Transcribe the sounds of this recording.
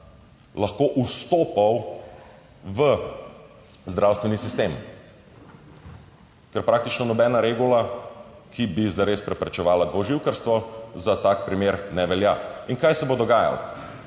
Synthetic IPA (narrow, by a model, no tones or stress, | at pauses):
lɐxkoːʔust̪oːpaw | ʋə | zd̪ɾawst̪ʋɛnisist̪eːm | kɛɾpɾaːk̚t̪it͡ʃnɔnɔbɛːnaɾeɡula | kʰibizaɾespɾɛpɾɛt͡ʃɛʋaːlad̪ʋoʒiwkəɾst̪ʋɔzat̪ak̚pɾimeːɾnɛʋɛljaiŋkajsɛbod̪ɔɡaːja̰l